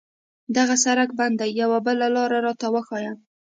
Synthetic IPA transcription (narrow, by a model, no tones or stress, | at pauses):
d̪aɣasaɾakband̪ajːawabəlalɑɾaɾɑt̪awəxɑjam